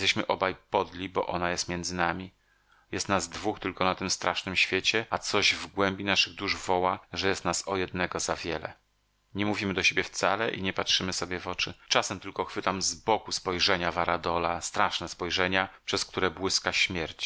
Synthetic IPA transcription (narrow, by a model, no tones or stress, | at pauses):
t̪ɛɕmɘʔɔbajpɔd̪lʲibɔ̰ʔɔ̰najɛst̪mʲjɛnd̪zɘnamʲi | jɛst̪nazd̪vuxt̪ɘlkɔnat̪ɘmst̪ɾaʂnɘmɕfʲjet͡ɕɛat̪sɔʑvɡwɛmbʲinaʂɘɣd̪uʐvɔwaʐɛjɛst̪nasɔjɛd̪̚nɛɡɔzavʲjɛlɛ̰ | ɲɛmuvʲimɘd̪ɔɕebʲjɛft̪salɛʔḭɲɛpatʂɘmɘsɔbʲjɛvɔt͡ʂɘt͡ʂasɛmt̪ɘlkɔxfɘt̪amzbɔkuspɔjʐɛɲavaɾad̪ɔlast̪ɾaʂnɛspɔjʐɛɲapʂɛsk̚t̪uɾɛbwɘskaɕmʲjɛɾt͡ɕ